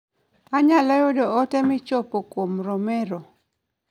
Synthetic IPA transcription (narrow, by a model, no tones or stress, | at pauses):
aɲalajodɔɔtɛmɪt͡ʃopokwomɾɔmɛɾɔ